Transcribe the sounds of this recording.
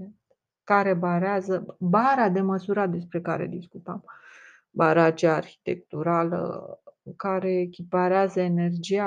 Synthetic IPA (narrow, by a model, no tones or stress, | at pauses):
et̪ | kaɾe̞baɾeazəbaɾad̪e̞məsuɾad̪e̞spɾe̞kaɾe̞̰d̪iskut̪əm | baɾaːt͡ʃiaːrçi̥t̪e̞̰k̚t̪uɾalə̰kaɾe̞ːkʲipaɾeazəene̞rd͡ʒia